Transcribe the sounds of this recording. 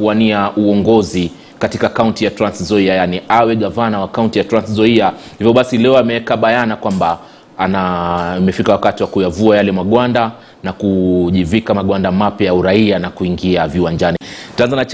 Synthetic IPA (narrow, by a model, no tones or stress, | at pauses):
uwaniaʔuɔŋɡɔzi | katikakauntijatɾanszɔiajaniʔawɛɠavanawakauntijatɾanszɔiahivjɔɓasilɛɔamɛɛkaɓajanakwamba | amɛfikawakatiwakujavuajalɛmaɠwanda | nakuʄivikamaɠwandamapjajauɾaianakuiŋɡiaviwaɲd͡ʒanitanzanat͡ʃ